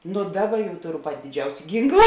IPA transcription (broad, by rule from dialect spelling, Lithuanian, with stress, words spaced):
nʊ ˈdɑːˌbɐ jɛʊ ˈtoːˌrʊ ˈpɑːtʲɪ dʲɪˈd͡ʒʲɛʊsʲɛ ˈɡʲiːŋklˠɐ